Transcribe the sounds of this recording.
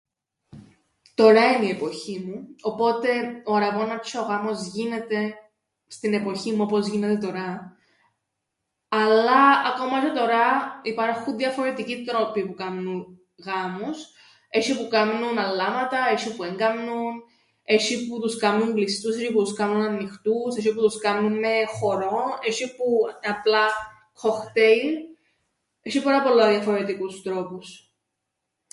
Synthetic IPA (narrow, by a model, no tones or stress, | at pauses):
t̪o̞ɾɐinie̞po̞çimuo̞po̞t̪e̞oɾɐvonɐt͡ʃooɣɐmozʝine̞t̪e̞ | st̪ine̞po̞çimuo̞po̞zʝine̞t̪e̞t̪o̞ɾɐ | ɐlːɐɐko̞mɐʃet̪o̞ɾɐipɐɾxunðjɐfo̞ɾe̞t̪icit̪ɾo̞pipukɐmnun | ɣɐmus | eʃipukɐmnunɐlːɐmɐt̪ɐeʃipueŋɡɐmnun | e̞ʃiput̪uskɐmnumblist̪useʃiput̪uskɐmnunɐnːixt̪useʃ̬iput̪uskɐnːunmexo̞ɾoneʃipuɐplɐ | kʰoxt̪ei | eʃipɐɾɐpolːɐðjɐfoɾet̪ikust̪ɾopus